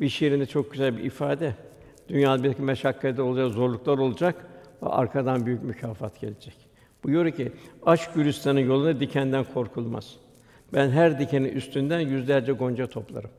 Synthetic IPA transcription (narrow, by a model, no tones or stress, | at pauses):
biʃeɾind̪ɛt͡ʃʰo̞k̚ɟyzælʲbḭʔifaːd̪ɛ | d̪̥ynjaːnabiɾakimɛʃakʰːad̪ɛo̞lˠud͡ʒakzo̞ɾlˠuklˠaɾo̞lˠud͡ʒakva̰ʔa̰ɾkʰad̪anbyjycmycʰaːfa̰t̪ɟ̥e̞̰lʲed͡ʒɛc | b̥ujoɾuciaʃɟyɾyst̪ʰanɯnjolˠunad̪icʰænd̪ænkʰo̞ɾkʰulˠma̰z̥ | bænɦæɾd̪icʰeninyst̪ʰynd̪ænjyzlʲæɾd͡ʒɛɡo̞nd͡ʒat̪ʰo̞plˠa̰ɾɯm